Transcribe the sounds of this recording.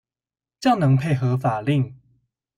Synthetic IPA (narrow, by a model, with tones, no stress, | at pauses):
t͡ɕja˥˩ʊnɤ˨˧˦ŋpʰe˥˩ɪɦɤ˨˦fa˨˩li˥˩ŋ